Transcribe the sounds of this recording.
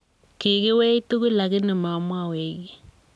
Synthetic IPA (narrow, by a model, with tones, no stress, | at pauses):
ki˨ɣe˦wɛ˦i˦tu˦ɣu˦la˨ɣɪ˦ne˨ma˨mwa˦˨we˨ɣi˦